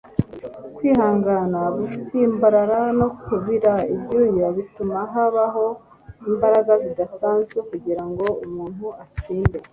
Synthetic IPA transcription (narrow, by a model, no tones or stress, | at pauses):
kwiːhaːŋɡanaɡufisimbaɾaɾano̞kuβiɾaibjuːjaβitumaɦaβaɦo̞ | imbaɾaɡazidasaːnzɡwe̞kuɟiɾaŋɡo̞umuːnhuat͡siːnde̞